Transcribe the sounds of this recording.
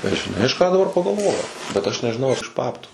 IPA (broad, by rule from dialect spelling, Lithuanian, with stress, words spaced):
ɪr ʒʲɪˈnɐɪ ɐʃ ˈkɑː dɐˈbɐr pɐɡɐlˠˈʋoːjɛʊ bʲɛt ˈɐʃ nʲɛʒʲɪˈnɐʊ ɐr ɪʃ ˈbɑːptuː